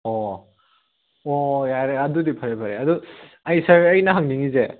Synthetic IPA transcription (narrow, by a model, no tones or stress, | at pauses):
ɔ | ojaɾeɐdudipʰaɾejpʰaɾeɐdu | ɐjsaɐɾɐjnɐɦaŋniŋize